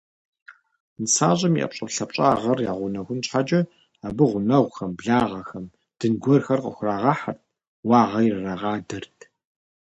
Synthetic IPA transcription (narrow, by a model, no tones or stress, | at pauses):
nɨsaːʑʼɪmḭʔɐ̰pɕʼɐpɬɐpɕʼaːʁɐrjaːʁʷʊnɐxʷʊnɕħat͡ʃʼɐ | abɨʁʷʊnɐʁʷxɐmbɮaːʁɐxɐm | d̥ɨnɡʷɔrxɐrqəxʷʊraːʁɑħart̚ʰ | wɑːʁɐjrɨraʁɑːdɐrtʰ